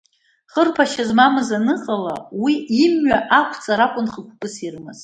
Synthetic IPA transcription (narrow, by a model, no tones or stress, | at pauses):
χərpʰaʃazmamɨzanɨqʼalawiimɥaʔakʷʰt͡sʼaɾakʷʼʊnχəkʷʰkʼɨsirmɨz